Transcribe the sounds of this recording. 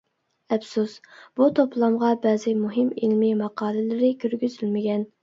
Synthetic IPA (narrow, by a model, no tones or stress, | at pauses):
ɛpsusb̥ut̪ʰoplˠɑmʁɑbɛːzɪmuɦɪmilmɪmɑqɑːlˠɪlɪɾɪkʲʰyɾɡʲyzylmɪɡʲɛn